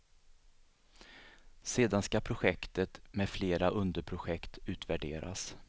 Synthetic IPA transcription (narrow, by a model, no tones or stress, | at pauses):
seːd̪anskapʰɾʊɧɛkt̪ət̪mɛd̪fleːɾaʔɵnd̪əɾpʰɾʊɧɛkt̪ʉ̟ːt̪væɖeːɾʔa̰s